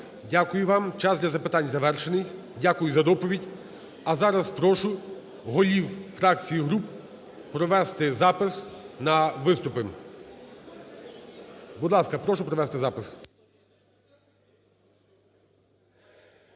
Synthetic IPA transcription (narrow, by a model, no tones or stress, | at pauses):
dʲakʊjʊʋɑmt͡ʃɑzd̪lʲɐzɐpɪt̪ɑnʲzɐʋɛrʃenɪx | dʲakʊjʊzɐd̪ɔpɔʋʲidʲ | ɐzɑɾɐspɾɔʃʊ | ɦɔlʲiwfɾɑk̚t͡sʲijiɦɾup | pɾɔʋɛst̪ɪzɑpɪsnɐʋɪst̪ʊpɪm | bʊd̪lˠɑskɐpɾɔʃʊpɾɔʋɛst̪ɪzɑpɪs